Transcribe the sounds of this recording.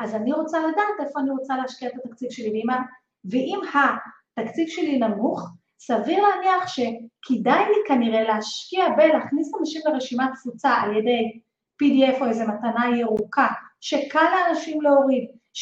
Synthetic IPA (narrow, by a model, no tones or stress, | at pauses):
ʔazaniʁo̞t͡saladaːt̪efo̞aniʁot͡salehaʃkiaet̪at̪ak̚t͡sivʃe̞lilima | veʔimha | t̪akt͡sivʃe̞linamuχ | saviʁleaniaχʃe̞kʰidajnikaniʁe̞leaʃkiabeleːχnisanaʃimle̞ʁeʃimat̚kv̥ut͡saaljede̞j | pidiefoejze̞mat̪anajeʁukaʃe̞kaleanaʃimleoʁiv